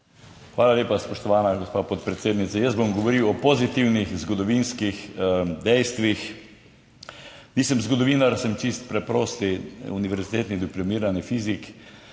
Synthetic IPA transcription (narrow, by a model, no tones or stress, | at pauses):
xʋaːlaleːpaspɔʃt̪ɔʋaːnaɡospaːpɔt̪pɾɛt̪seːd̪nit̪sajəst̪bomɡɔʋɔɾiwɔpɔzit̪iwnixzɡɔd̪ɔʋinskixd̪ɛjst̪ʋix | niːsəmzɡɔd̪ɔʋiːnaɾsɛmt͡ʃist̪̚pɾɛpɾoːst̪iuniʋɛɾzit̪eːt̪nid̪iplɔmiːɾanifizik